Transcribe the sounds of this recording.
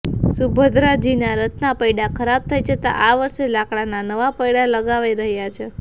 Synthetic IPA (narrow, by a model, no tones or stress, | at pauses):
subʱəd̪ɾad͡ʒinaɾət̪napəjɽakʰəɾab̚t̪ʰəjd͡ʒət̪a̰ʔaʋəɾʃelakɽananəʋapəjɽaləɡaʋaiɾəɦjat͡ʃʰe